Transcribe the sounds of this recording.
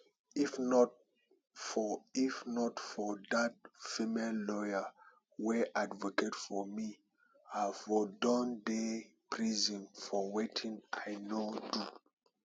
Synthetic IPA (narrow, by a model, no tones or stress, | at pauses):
ifnɔt | ifnɔtfɔdat̚fimellɔja | wɛʔadvɔketfɔmi | afɔdɔ̃ndepʰɹizɔ̃nfɔwetʰĩŋajnodu